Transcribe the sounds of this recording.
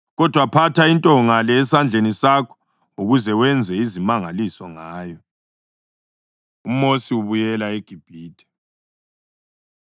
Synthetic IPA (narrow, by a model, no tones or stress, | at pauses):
ɣɔd̥ʱwapʰatʰaintʼɔŋalɛːsand͡ɮʱenisakʰɔ̥ | uɣuzɛwɛnd͡zʱɛizimaŋalisɔŋaːjɔ | um̩mosiwuβujɛlaeɡ̥ʱib̥ʱiːtʰʼɛ̥